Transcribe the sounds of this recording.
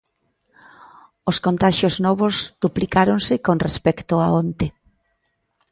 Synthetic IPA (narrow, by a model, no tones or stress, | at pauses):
oskont̪aʃjoznɔβ̞ozd̪̥uplikaɾoŋsɪkonrespɛkt̪ʊaont̪e